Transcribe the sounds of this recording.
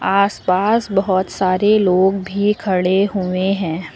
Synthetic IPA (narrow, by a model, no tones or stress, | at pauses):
aːspaːsbɐɦɔt̪saːɾeloːɡbʱikʰɐɽeɦʊeɦɛ̃ː